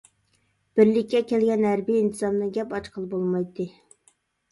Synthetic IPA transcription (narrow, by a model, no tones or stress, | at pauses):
b̥ɪɾlɪkʲːɛkʲɛlɡʲɛnɦæɾbijːnt̪ʰɨzɑmnɨŋɡʲɛpɑt͡ʃqʰəlˠbolˠmɑjt̪ʰːɨ